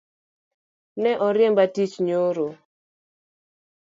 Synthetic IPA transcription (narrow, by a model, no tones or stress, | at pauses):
nɛʔɔɾjɛmbatit͡ʃɲoɾo